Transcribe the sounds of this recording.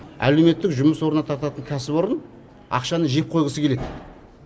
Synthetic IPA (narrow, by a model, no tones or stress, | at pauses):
æ̰le̞wme̞t̪ːɪkʒʊməswo̞ɾənɑt̪ʰɑɾt̪ɑt̪əŋkʲʰæsɪpo̞ɾən | ɑ̰qʃɑnəɴʒe̞p̚qʰojʁəsəkʲele̞d̪ɪ